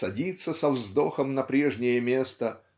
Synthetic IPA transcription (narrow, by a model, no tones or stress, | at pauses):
sɐdʲit̪sːəsɐvzd̪o̞xəmnɐpɾʲeʐnʲɪjəmʲe̞st̪ə